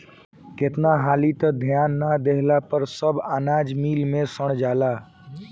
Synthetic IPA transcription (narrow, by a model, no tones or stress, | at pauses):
ket̪naɦaːlit̪əd̪ʱjanːad̪eɦlapəɾsəbanad͡ʒmiːlmẽsəɽ̃d͡ʒaːla